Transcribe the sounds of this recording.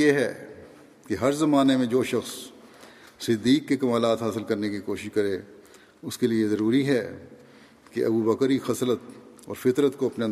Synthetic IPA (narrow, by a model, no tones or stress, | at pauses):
eɦɛ̰ | keɦɐɾzɐmaːnemẽd͡ʒoːʃɐxsː | ɪd̪ːiːkːekɐmaːlaːt̪ɦaːsɪlkɐɾnekikoːʃɪʃkɐɾẽː | ʊskeliezɐɾuːɾiɦɛ | kḛʔɐ̰bubɐkəɾixɐslət̪̚ɔ̰ːɾfɪt̪ɾət̪koɐpna